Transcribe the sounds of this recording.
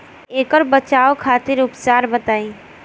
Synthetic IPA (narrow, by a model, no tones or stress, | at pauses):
eːkɔɾbət͡ʃaːokʰaːt̪ɪɾʊpt͡ʃaːɾbət̪aːĩ